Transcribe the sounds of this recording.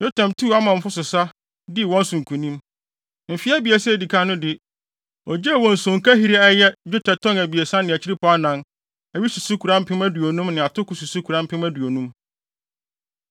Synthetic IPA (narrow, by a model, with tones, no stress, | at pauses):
jo˦tʰã˨mtʰu˦˨a˦mã˨m̩˦fʊ˦sʊ˨sa˦ | dɪ˦˨wɔ̃˦n̩˦sʊ̃˨ŋ̩˨kʰũ˨nĩ˦m | m̩˨fi˦æ˦bi˨e˨sɛ˦˨di˨kʰa˦nʊ̃˦dɪ˨ | ɔ˨d͡ʑɛ˦˨wɔ̃˨n̩˨sʊ̃˨ŋka˦ɦi˦ɾi˦ɛ˦jɛ˦d͡ʑᶣʊ˦tʰɛ˨tʰɔ̃˦ŋæ˨bi˨e˨sã˦nɪ̃˨æ˨t͡ɕʰi˦ɾi˦pʰɔ˨˦a˦nã˦n | æ˨ɥi˦su˨su˦kʰu˨ɾã˦m̩˦pʰɪ̃˦mæ˦du˨o˨nũ˦mnɪ̃˨a˨tʰʊ˦kʊ˨su˨su˦kʰu˨ɾã˦m̩˦pʰɪ̃˦mæ˦du˨o˨nũ˦m